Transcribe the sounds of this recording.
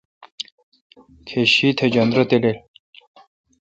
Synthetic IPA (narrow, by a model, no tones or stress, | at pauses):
kʰeɕit̪ʰed͡ʑʌnd̪ɾʌt̪elel